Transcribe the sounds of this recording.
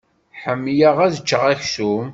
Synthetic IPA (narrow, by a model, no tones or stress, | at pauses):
ħəmːjəʁæðət͡ʃːəʁæçsum